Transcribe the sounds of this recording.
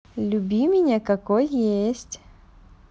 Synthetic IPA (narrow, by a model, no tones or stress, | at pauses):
lʲʊbʲimʲɪnʲekɐkojːesʲtʲ